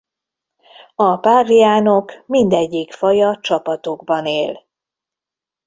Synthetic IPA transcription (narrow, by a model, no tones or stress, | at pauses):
ɒpaːrijaːno̞kmind̪ɛɟːikfɒjɒt͡ʃɒpɒt̪o̞ɡbɒneːl